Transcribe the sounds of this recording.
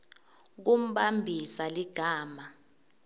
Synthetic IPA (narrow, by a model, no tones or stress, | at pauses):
k̬um̩ɓambʱisaliɡ̥ʱaːma